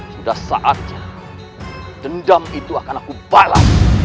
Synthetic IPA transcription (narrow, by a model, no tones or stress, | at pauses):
sudahsa̰ʔat̪̚ɲa | d͡ʒəndamit̪uakanakub̥ala̰